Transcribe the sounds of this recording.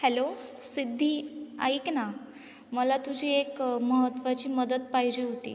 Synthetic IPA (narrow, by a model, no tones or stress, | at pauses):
hɛlosid̪ʱːiːa̰ikna | məlat̪ud͡ʑʱiːekməɦət̪ʋat͡ɕiːməd̪əd̪̚pajd͡ʑiːɦot̪ḭː